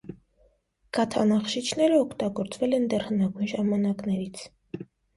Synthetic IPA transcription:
ɡ̥ɑt̪ʰɑ̰nɑχʃit͡ʃʰnɛɾəɔkʰt̪ɑɡɔɾt͡svɛlɛnd̪ɛrhənɑɡujnʒɑmɑnɑknɛɾit͡sʰ

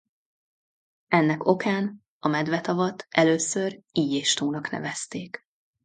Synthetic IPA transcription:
ɛnːɛko̞kaːn | ɒmɛd̪vɛt̪ɒvɒt̪ɛløːsøriːɟeːʃt̪oːnɒknɛ̰vɛst̪eːk

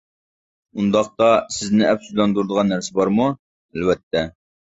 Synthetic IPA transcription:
und̪ɑqt̪ɑsɪznɪʔɛpsuzlˠɑnd̪uɾɨd̪əʁɑnːæɾsɪbɑɾmu | ɛlwɛt̪ʰːɛ

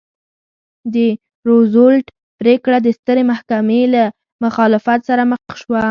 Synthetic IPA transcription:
d̪ə | ɾozolʈ | pɾekɽad̪əst̪əɾemahkamela | mʊxɑlɪfat̪saɾaməxʃwa

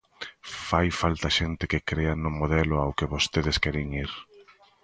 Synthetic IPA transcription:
fajfalt̪aʃent̪ɪkɪkɾeanʊmoðɛlʊawkɪβost̪eðɪskɛɾeŋiɾ

